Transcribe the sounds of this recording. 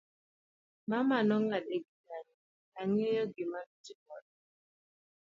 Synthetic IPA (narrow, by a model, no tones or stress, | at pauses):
mamanɔŋadeɡidaɲi | aŋijɔɡimatikɔd